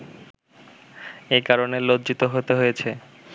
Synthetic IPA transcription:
ekaɾonelod̪d͡ʑit̪oɦot̪eɦojet͡ɕʰe

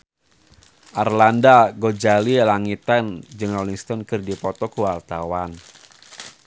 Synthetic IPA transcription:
ʔarlandaɡod͡ʒalilaŋit̪and͡ʒɨŋrɔliŋst̪ɔnkɨrdipɔt̪ɔkuwart̪awan

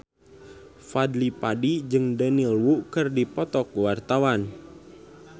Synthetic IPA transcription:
fadlipadid͡ʒɨŋdənilwukɨrdipɔt̪ɔkwart̪awan

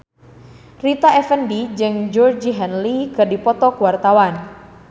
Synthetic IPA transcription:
rit̪aʔɛfəndid͡ʒɨŋd͡ʒɔrd͡ʒiɦɛnlikɨrdipɔt̪ɔkuwart̪awan

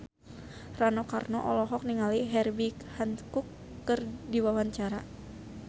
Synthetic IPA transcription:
ranɔkarnɔʔɔlɔɦɔk̚niŋaliɦɛrbikhankukː | ərdiwawaɲt͡ʃaɾa

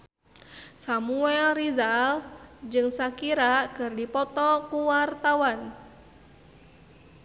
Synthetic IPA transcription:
samuɛlrizald͡ʒɨŋsakiɾakɨrdipɔt̪ɔkuwart̪awan

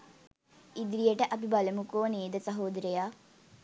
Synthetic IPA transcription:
id̪ɾijəʈəʔɐp̬ibaləmukoːneːd̪əsɐɦoːd̪ɾəjaː

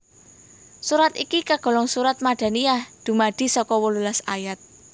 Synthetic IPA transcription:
suɾat̪ikikaɡ̥ɔ̤lɔŋsuɾat̪̚maɖ̥a̤niahd̪̥ṳmaɖ̪̥i̤sɔkɔwəlulasajat̪̚

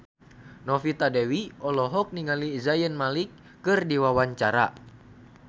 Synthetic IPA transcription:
nɔfit̪adɛwiɔlɔɦɔk̚niŋaliːzajənmalikː | ɨrdiwawaɲt͡ʃaɾa̰

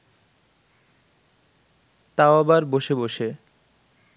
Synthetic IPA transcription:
t̪aoabaɾboʃeboʃe

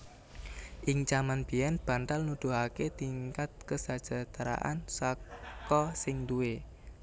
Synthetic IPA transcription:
ʔɪŋt͡ʃamanb̥iɛnb̥a̤nt̪alnud̪̥o̤ɦaket̪iŋkat̪̚kəsad̥ʒ̥a̤t̪ɾa̰ʔa̰nsakɔsɪŋd̪uwe

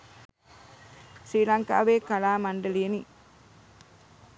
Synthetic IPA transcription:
siːlɐŋka̰ːʋeːkɐlaːmɐɳɖɐlijeni

